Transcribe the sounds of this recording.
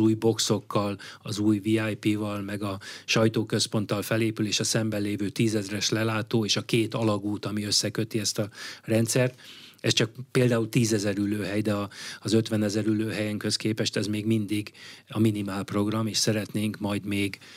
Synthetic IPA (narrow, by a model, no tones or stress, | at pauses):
uːjbo̞kso̞kːɒlɒzuːjviajpiːvɒlmɛɡɒʃɒjt̪oːkø̞spo̞nt̪ɒlfɛleːpyleːʃɒsɛmbɛlleːvøːt̪iːzɛzrɛʃlɛlaːt̪oːeːʃɒkeːt̪ɒlɒɡuːt̪ɒmiøsːɛkø̞t̪iɛst̪ɒrɛnt̪sɛrt̪ɛst͡ʃɒk̚peːld̪aːult̪iːzɛzɛɾyløːɦɛjd̪ɛɒːzøt̪ʋɛnɛzɛɾyløːɦɛjɛŋkøskeːpɛʃt̪ɛzmeːɡmind̪iɡɒminimaːlpro̞ɡrɒmeːʃsɛɾɛt̪neːŋkmɒjd̪meːɡ